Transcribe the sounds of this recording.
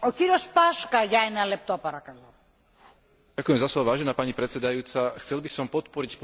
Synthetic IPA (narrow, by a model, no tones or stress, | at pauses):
ociɾiospɐʃkɐʝɐɛnɐlep̚t̪opɐɾɐkɐlo | akujɛmzaslɔbaʋaːʒɛnaːpaɲipɾɛt̪t͡sɛd̪ajuːt͡saxt͡sɛlbisɔmpɔt̪pɔɾicp